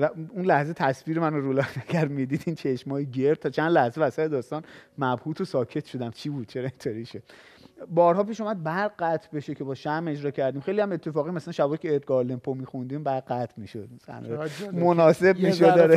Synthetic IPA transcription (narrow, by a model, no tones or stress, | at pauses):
væunlæhze̞t̪ʰæsfiːɾemænoɾulɒfnæɡʲæɾd̪mid̪iːd̪iːnt͡ʃʰeʃmɒːjeɟeɾd̪̚t̪ʰːɒːt͡ʃʰænd̪læhzevæsæt̪ed̪ɒːst̪ɒːnmæbhuːt̪ʰosɒːcʰe̞t̪ʰʃod̪æmt͡ʃʰiːbuːd̪̥̚t͡ʃʰe̞ɾɒent̪ʰoɾiʃod̪̥ | bɒːɾhɒːpiːʃuːmæd̪̚bæɾɢæt̪ʰbe̞ʃecʰe̞bɒːʃæme̞d͡ʒɾɒːcʰæɾd̪iːmxejliæme̞t̪ʰːe̞fɒːɣimæsælænʃæbɒːicʰeːɾt̪̚ɡɒːlempʰomixund̪imbæɾɢæt̪ʰmiʃod̪̥̚msæ̰n̰monɒːse̞bmiːʃod̪ɒːɾe